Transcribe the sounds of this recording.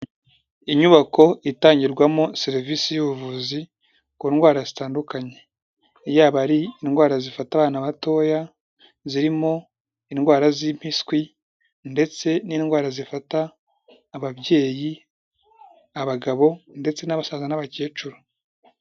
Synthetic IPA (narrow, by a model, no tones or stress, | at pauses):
iɲuβako̞itaːɲɟiɾɡwamo̞se̞ɾvisijuβuvuzi | kuːnɡwaːɾazitaːndukaɲe̞ | jaːβaɾiːnɡwaːɾazifataβaːnaβato̞ːja | ziɾimo̞ | inɡwaːɾazim̥hiskwi | nde̞t͡se̞niːnɡwaːɾazifataː | βabɟe̞ːji | aβaɡaβo̞nde̞t͡se̞naβasaːzanaβaceːt͡ʃuɾo